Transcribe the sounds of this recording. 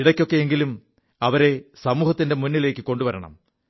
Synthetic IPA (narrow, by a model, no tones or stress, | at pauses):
iɽɐkʲːo̞kːeje̞ŋɡilum | ɐʋɐɾe̞sɐmuːhɐt̪ːinde̞munːile̞ːkːɨko̞ɳɖuʋɐɾɐɳɐ̰m